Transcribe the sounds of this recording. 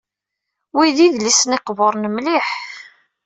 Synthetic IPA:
wiðiðlisnɪqvoɾˤnəmliħ

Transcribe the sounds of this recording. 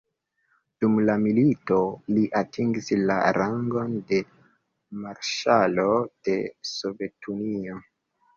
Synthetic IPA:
d̥umlamilito̞liʔatʰiŋɡisla̰ɾaŋɡo̞nde̞ | maɾʃalo̞d̥e̞so̞ve̞tʰunio

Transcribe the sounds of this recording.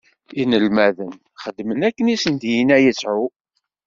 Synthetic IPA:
inəlmæðən | χəd̪ːmənækːənisənd̪jinæjət͡sːʕu

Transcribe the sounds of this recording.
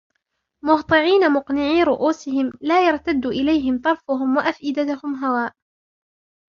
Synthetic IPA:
mʊht̪ˤɨʕiːnamʊqnɪʕiːɾʊʔuːsɪhɪmlaːjɑɾˤt̪ad̪ːuːʔɪlajɦɪmt̪ˤɑɾˤfʊɦʊmwaʔafʔɪd̪at̪ʊhʊmɦawaːʔ

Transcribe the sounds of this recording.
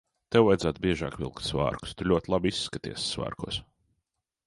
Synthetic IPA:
t̪ewvajd̪zaːt̪bʲiɛʒɑ̰ːkvʲḭlˠkt̪sva̰ːɾku̥st̪ulʲuɔt̪ʲlˠabiisːkat̪ḭɛssva̰ːɾkṵɔs

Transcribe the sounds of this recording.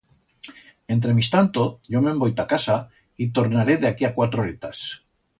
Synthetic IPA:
e̞nt̪ɾe̞mist̪ant̪oʝomẽmbojt̪akasa | it̪o̞ɾnaɾeðeakiakwat̪ɾoɾet̪as

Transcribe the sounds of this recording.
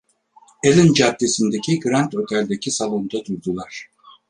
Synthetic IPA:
elʲind͡ʒad̪ːe̞sind̪ecʰiɡɾant̪ho̞t̪ʰælʲd̪ecʰisalˠo̞nd̪ad̪uɾd̪ulˠaɾ̥

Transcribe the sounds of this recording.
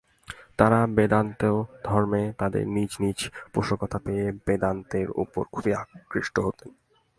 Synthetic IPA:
t̪aɾabed̪ant̪eod̪ʱɔɾmet̪ad̪ḛɾnid͡ʑnit͡ɕpoʃokot̪ʰapeebed̪ant̪eɾṵpo̰ɾkʰubiakɾiʃʈoɦot̪en

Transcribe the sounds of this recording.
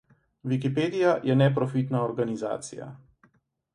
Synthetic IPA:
ʋikipeːd̪ijajʔɛnɛpɾɔfit̪naɔɾɡaniza̰ːt̪sḭja̰

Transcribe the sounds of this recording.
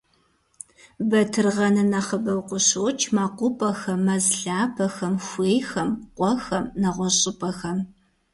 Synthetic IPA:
bɐtʰɨrʁɐnɐnɐχəbɐwqʷʊɕɨwt͡ʃʰmaːqʷʊpʼɐxɐmːɐzɮaːpʰɐxɐmxʷeːjxɐmqʷɔxɐmnɐʁʷɔɕʼɪpʼɐxɐm

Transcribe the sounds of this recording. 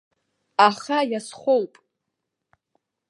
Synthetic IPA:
aχajasχʷowpʼ

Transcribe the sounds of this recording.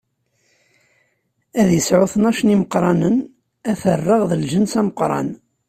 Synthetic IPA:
æðjəsʕʊθənæʃəniməqɾˤɑnən | æθərˤːəʁðəlʒənsæməqɾˤɑ̰n

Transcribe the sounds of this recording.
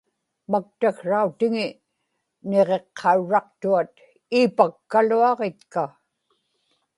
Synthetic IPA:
mak̚t̪axʂaut̪ɪŋɪ | neʁe̞qʰːɑuɻɑq̚t̪uat̪ | iːpakːaluɑʁet̪ka

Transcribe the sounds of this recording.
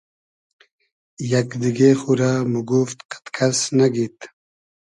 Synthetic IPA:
jɐkd̪iɡexuɾamuɡuft̪qḁt̪kʰasnaɡit̪

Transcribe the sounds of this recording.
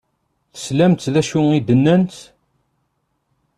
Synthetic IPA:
θə̥slæmt̪ðæʃʊid̪ənːænt̪

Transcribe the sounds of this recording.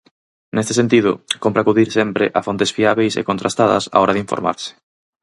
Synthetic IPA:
nest̪eɪsent̪̬ið̞ʊ̰kompɾaːkuðiɾsempɾɪʔafont̪esfiaβejsḛkont̪ɾast̪aðɐ̰sa̰ɔɾɐðiɱfo̰ɾma̰ɾsɪ̥

